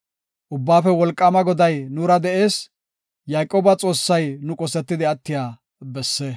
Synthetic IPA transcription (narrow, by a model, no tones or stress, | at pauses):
ʔʊbːaːfɛwɔlkʼːɐmɐɡɔd̪ɐjnuːɾɐd̪ɛʔe̞ːs | jaːkʼːoːbɐt͡sʼo̞ːsːɐjnʊkʼɔsɛt̪ːɪd̪ɪɐt̪ːɪjaː | bɛsːɛ